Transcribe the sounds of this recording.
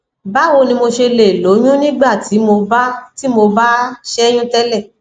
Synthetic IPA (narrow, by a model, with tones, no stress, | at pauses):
ba˦wo˧nĩ˧mo˧ʃe˧le˨lo˨˦j̃ũ˦nĩ˦ɡ͡ba˦˨ti˨˦mo˧ba˦ti˦mo˧ba˦ʃɛ˦j̃ũ˦tɛ˦lɛ˦˨